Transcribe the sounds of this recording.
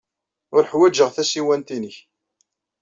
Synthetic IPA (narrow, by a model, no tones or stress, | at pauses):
ʊɾħwæd͡ʒəʁθæsiwænt̪inəç